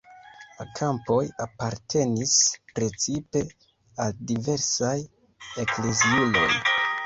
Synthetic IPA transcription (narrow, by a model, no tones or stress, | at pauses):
lakʰampo̞japaɾtʰe̞nispɾe̞t͡sipe̞ | aldive̞ɾsaj | e̞kle̞ziulo̞̰j